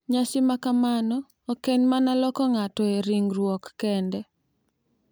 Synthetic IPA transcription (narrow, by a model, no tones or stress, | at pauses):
ɲasɪmakamanɔː | keɲmanalɔkɔŋatɔeɾiŋɾwɔkːɛndɛ